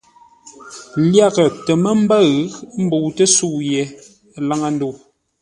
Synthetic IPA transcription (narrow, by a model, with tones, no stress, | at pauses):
lja˦˨ɣə˨tə˨mə˦m̩˦bə˦ɣɨ˦km̩˦bu˨tə˦su˦˨ʔjɛ˨˦ | la˦ŋa˦n̩˦du˦˨